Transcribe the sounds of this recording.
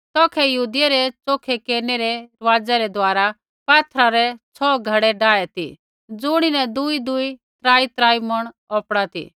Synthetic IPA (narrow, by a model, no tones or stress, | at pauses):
t̪ɔːkʰɛjɐuːd̪ɪjaɾɛt͡soːkʰekeːɾneɾɛɾʋaːd͡zɛɾɛd̪ʋaːɾa | paːt̪ʰɾaɾɛt͡sʰɔːɡʱɐɽɛɖaːɛt̪ḭ | d͡zʊːɽ̃inɛd̪ʊid̪ʊit̪ɾaːit̪ɾaːimɐɽ̃ | ɔːpɽat̪ḭ